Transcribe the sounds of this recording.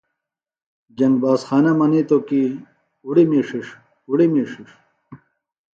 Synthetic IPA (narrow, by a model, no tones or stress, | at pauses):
d͡ʑɐŋɡbaːsxaːnɐmɐnit̪oki | uɽimiːʂiʂ | uɽimiʂiʂ